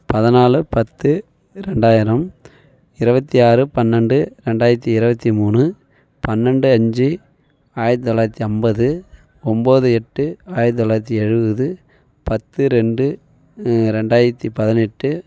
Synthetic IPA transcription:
pɐðɪnaːlɯpɐt̪ːɯ | ɾɛɳɖaːjɪɾɐm | ɪɾɯbɐt̪ːiaːrɯpɐnːɛɳɖɯɾɛɳɖaːjɪɾɐt̪̬ːiɪɾɯbɐt̪ːimuːnɯ | pɐnːɛɳɖɯɐɲd͡ʒi | aːjɐɾɐt̪ːɯt̪ːɔlːaːjɾɐt̪ːiɐmbɐðɯ | ɔmboːðɯɛʈːɯaːjɐɾt̪ɯt̪ːɔlaːɾɐt̪̬ːiɛɻɯʋðɯ | pɐt̪ːɯɾɛɳɖɯ | ɾɛɳɖaːjɪɾɐt̪ːipɐðɪnɛʈːɯ

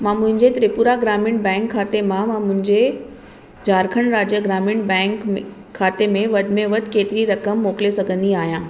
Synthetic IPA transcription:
mãːmʊ̃ɦɪ̃ɲd͡ʑet̪ɾɪpuːɾaɡɾaːmɪ̃ɳʈ̚bɛ̃ːŋkʰːaːt̪emãmãːmʊ̃ɦɪ̃ɲd͡ʑe | d͡ʑaːɾkʰəɽ̃ɾaːd͡ʑjəɡɾaːmɪɳbɛ̃ːŋkʰː | aːt̪emẽʋɐd̪ʱmẽʋəd̪keːt̪ɪɾiɾɐkəmːoːklesɐɡʱə̃nd̪iaːɦijãː

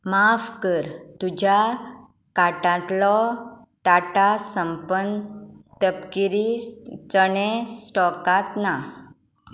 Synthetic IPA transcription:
mafkəɾt̪ud͡ʑʱa | kaʈãt̪lɔ | ʈaʈasəmpənt̪əpkiɾit͡səɽẽsʈɔkat̪na

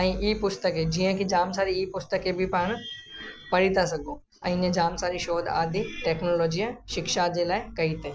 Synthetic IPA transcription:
ɐ̃ĩʔiːpʊst̪əked͡ʒiːãkid͡ʒaːmsaːɾiiːpʊst̪əkebʱipəɽ̃ | pɐɽit̪as̬ɐɡõː | ɐ̰̃ĩnẽd͡ʒaːmsaːɾiʃoːd̪a̰ːd̪iʈɛːknoːloːd͡ʒijãʃɪkʃaːd͡ʒeːlaːekɐit̪eː

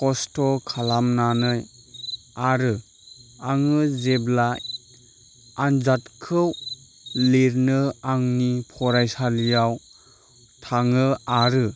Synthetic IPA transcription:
kɔstɔkʰalamnanɯj | aɾɯ | aŋɯzeblaj | and͡ʒatkʰɯw | leɾnɯaŋnipʰɔɾajsalijaw | tʰaŋɯaɾɯ

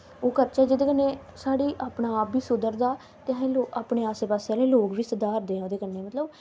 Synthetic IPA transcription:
oːkəɾt͡ʃɛːd͡ʒeːd̪eːkənːeːsaːɽiːʔaːpɳaːpʋiːsʊd̪əɾd̪aː | t̪eãɦẽːloːaːpɳeːaːseːpaːseaːleːloːkʋiːsəd̪aːɾd̪eːãoːd̪eːkənːeːmət̪ləb

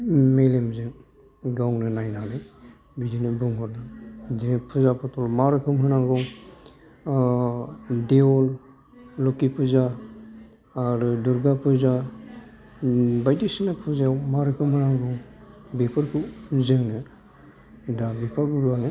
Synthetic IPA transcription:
melemzɯŋ | ɡawŋnɯnajnanɯj | bidinɯbuŋhɔɾnaidinɯpʰɯzapʰɔtʰɔlmaɾɯkʰɯmɦɯnaŋɡɔŋ | deɔl | lɔkipʰɯza | ɾuduɾɡapʰɯza | bajdisinapʰɯzawmaɾɯkʰɯmhɯnaŋɡɔŋbepʰɯɾkʰuzɯŋnɯ | dabipʰaɾbuɾuwanɯ

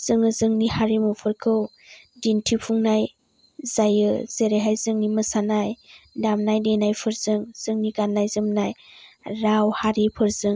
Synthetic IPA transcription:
z̥ɯŋɯzɯŋnihaɾimuwpʰɯɾkʰɯw | dintʰipʰuŋnaj | zajɯz̥eɾejɦajzɯŋniməsanajdamnajdenajpʰɯɾzɯŋz̥ɯŋniɡanːajzɯmnajɾawhaɾipʰɯɾzɯŋ

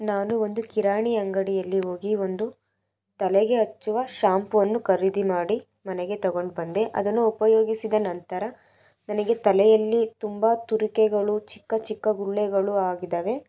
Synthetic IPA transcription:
naːnuo̞nd̪ukiɾaːɳiɐŋɡɐɽijɐlːiɦo̞ːɡio̞nd̪u | t̪ɐlɛɡe̞ɐt͡ʃːuʋɐʃaːmpuʋɐnːukɐɾid̪imaːɽi | mɐnɛɡe̞t̪ɐɡo̞ɳɖbɐnd̪e̞ʔɐ̰d̪ɐnːuupɐjo̞ːɡisid̪ɐnɐnt̪ɐɾɐ | nɐnɐɡe̞t̪ɐlɛjɐlːit̪umbɐt̪uɾikeɡɐɭut͡ʃi̥kːɐt͡ʃikːɐɡuɭːɛɡɐɭuaːɡid̪ɐːʋe̞

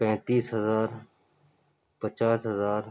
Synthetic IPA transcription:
pɛ̃ːt̪iːsɦəzaːɾ | pət͡ʃaːsɦəzaːɾ

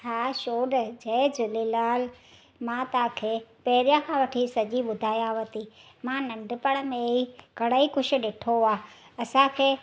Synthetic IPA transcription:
ɦaːʃoːɗd͡ʑɐd͡ʑʊlilaːl | mãt̪ɐãkʰeːpɐɦɪɾijãkʰãʋɐʈʰisɐd͡ʑiɓʊd̪ʱaːjaʋɐt̪i | mãnɐ̃ɳɖpəɽ̃mẽikɐɽaikʊʃʰʊ̆ɗɪʈʰoaː | ɐsãkʰeː

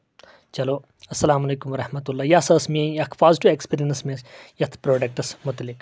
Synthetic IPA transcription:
t͡ʃɐloː | ɐsːɐlaːmɐleːkumʋɐɾɐhmɐt̪ulːaːjasɐsmiẽɐkʰfaːzʈuekspiːɾijɐnsmẽsjɐt̪ʰpɾoːɖɐk̚ʈɐsmʊt̪lik

